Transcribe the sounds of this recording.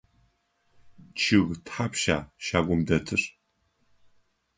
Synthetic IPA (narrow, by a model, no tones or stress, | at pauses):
t͡ʃʰɪɣtħapʃa̰ːʃaːɡʷʊmdɐtʰɨr